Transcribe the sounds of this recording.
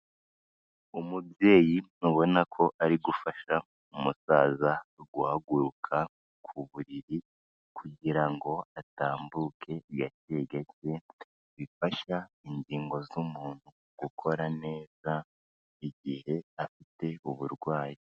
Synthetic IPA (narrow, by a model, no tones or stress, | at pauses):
umubje̞ːjiuβo̞nakʰo̞ʔaɾiɡufaʃa | umusaːzaɡuhaɡuɾukʰa | kʰuβuɾiɾi | kʰuɟiɾaŋɡo̞ataːmbuːkʰe̞jate̞ɡece | βifaʃaindiːŋɡo̞zumuːn̥hu | ɡ̥ukʰo̞ɾane̞ːza | iɟihe̞afite̞uβuɾɡwaːji